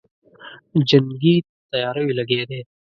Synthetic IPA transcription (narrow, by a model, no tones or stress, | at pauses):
d͡ʒɐŋɡit̪t̪ɐjɑːɾawilɐɡed̪eː